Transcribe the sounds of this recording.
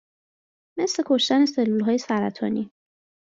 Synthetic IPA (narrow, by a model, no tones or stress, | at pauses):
me̞sle̞kʰo̞ʃt̪æne̞selːulɦɒːjesæɾæt̪ʰɒːni